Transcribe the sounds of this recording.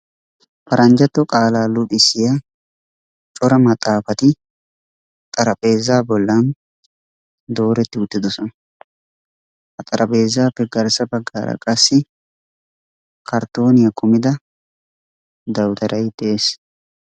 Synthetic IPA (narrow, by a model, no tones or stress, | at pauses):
pɐɾʔɐnd͡ʒɐt̪ːɔkʼaːlaːlʊpʼɪsɪja | t͡ʃʼɔɾɐmɐt̪ʼːaːfɐt̪ɪ | t̪ʼɐɾɐpʼe̞ːzaːbɔlːaːn | d̪o̞ːɾɛt̪ːɪʊt̪ːɪd̪ʊsɐn | ɐt̪ʼɐɾʔɐpeːzaːpɪɡɐɾsɐbɐɡːaːɾɐ̰kʼɐsːɪ | kʰɐɾt̪o̞ːnɪjɐkʰʊmɪd̪ɐ | d̪ɐwt̪ɐɾʔɐjt̪ɛʔeːs